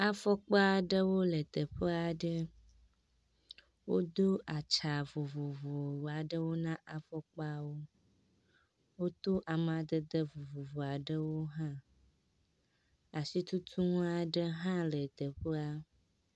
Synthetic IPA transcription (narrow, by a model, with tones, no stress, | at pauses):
a˦fɔ˦k͡pa˦a˨ɖə˦wo˦lə˨t̪ə˨ɸə˦a˨ɖə˦ | wo̰˦d̪o˦a˨t͡ʃa˨vo˨vo˨vo˨wo˨a˨ɖə˦wo˦nã˦ʔa˨fɔ˦k͡pa˦wo˦ | wo˦t̪o˦ʔa˨m˨a˨d̪ə˦d̪ə˦vo˨vo˨vo˨a˨ɖə˦wo˦ɦã˦ | a˨si˦t̪u˦t̪ʰu˦ŋũ˦a˨ɖə˦ɦã˦lə˨t̪ə˨ɸə˦a˦